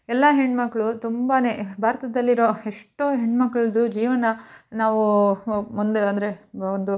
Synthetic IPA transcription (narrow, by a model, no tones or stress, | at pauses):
ɛlːɐɦeɳɖmɐkːɐɭut̪umbane̞ːbʱaːɾɐt̪ɐd̪ɐlːiɾo̞ːeʂʈːoːɦeɳmɐkːɐɭɐd̪ud͡ʒiːʋɐnɐnaːʋumund̪eɐnd̪ɐɾe̞ond̪u